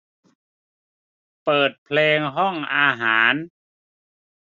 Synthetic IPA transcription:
pɤː˨˩t̪̚pʰleː˧ŋɦɔ˥˩ŋʔaː˧ɦaː˩˦n

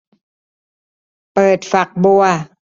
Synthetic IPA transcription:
pɤː˨˩t̪̚fa˨˩k̚bu˧˩ɐ

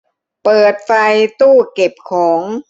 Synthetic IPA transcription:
pɤː˨˩t̪̚fa˧jt̪uː˥˩ke˨˩p̚kʰɔː˩˦ŋ

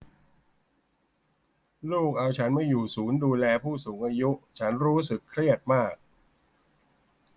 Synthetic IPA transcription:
luː˥˩k̚ʔa˧wt͡ɕʰa˦˥nma˥˩jːuː˨˩suː˩˦nduː˧lɛː˧pʰuː˥˩suː˩˦ŋʔaː˧ju˦˥ʔt͡ɕʰa˦˥nɾuː˦˥sɯ˨˩kʰːɾi˥˩ət̪̚maː˥˩k̚

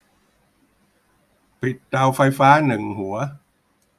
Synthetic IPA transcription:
pi˨˩t̪̚t̪a˧wfa˧jfaː˦˥nɯ˨˩ŋhu˩˦ɐ

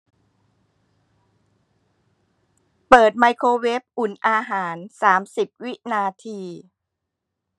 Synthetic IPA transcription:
pɤː˨˩t̪̚ma˧jkʰoː˧we˦˥p̚ʔu˨˩nʔaː˧ɦaː˩˦nsaː˩˦msi˨˩p̚wi˦˥ʔnaː˧t̪ʰiː˧

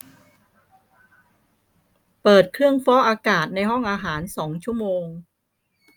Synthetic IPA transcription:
pɤː˨˩t̪̚kʰɾɯ˥˩əŋfɔː˦˥ʔaː˧kaː˨˩t̪̚na˧jɦɔ˥˩ŋʔaː˧ɦaː˩˦nsɔː˩˦ŋt͡ɕʰu˥˩əmoː˧ŋ

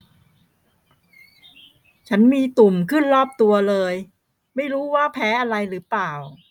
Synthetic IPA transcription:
t͡ɕʰa˦˥nmiː˧t̪u˨˩mkʰɯ˥˩nɾɔː˥˩p̚t̪u˧ɐlɤː˧j | ma˥˩jɾuː˦˥waː˥˩pʰɛː˦˥ʔa˧ɾa˧jɾɯː˩˦plaː˨˩w

